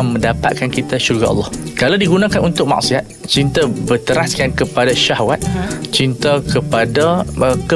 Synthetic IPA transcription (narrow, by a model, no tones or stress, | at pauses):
mə̃ndapa̰t̪̚kankit̪aʃurɡaɑ̰lːɔhkalawdiɡunãkanunt̪ʊk̚ma̰ʔsiat̪̚t͡ʃint̪abərt̪əɾaskankəpadaʃahwat̪̚t͡ʃint̪akəpadaəkə